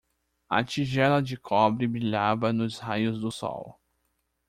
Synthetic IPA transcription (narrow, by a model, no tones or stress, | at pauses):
ɐ̰t͡ʃiʒɛlɐd͡ʒɪkʰɔbɾɪbɾiʎabɐnʊzhajʊzd̪ʊsɔ̰w